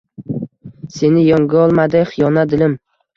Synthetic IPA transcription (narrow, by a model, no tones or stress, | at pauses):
se̞nɪjɒŋɡʲaɒlˠmad̪ɪχɪjɒnad̪ɪlɪm